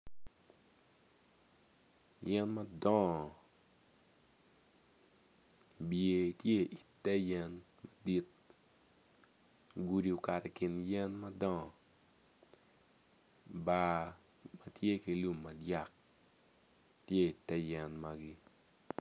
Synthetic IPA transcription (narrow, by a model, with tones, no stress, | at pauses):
jɛ˦nma˦dɔ̃˦˨ | bje˨tje˦ʔi˨tɛ˦jɛ˦n | ma˨di˦t̪̚ | ɡu˦di˨o˨ka˨ɾɛ˨kɪ˨njɛ˦nma˦dɔ̃˦˨ | ba˦ | mɐ˨tje˦ki˨lu˦mːɐ˨dja˦˨k̚ | tje˦i˨tɛ˦jɛ˨nma˨ɡɪ˦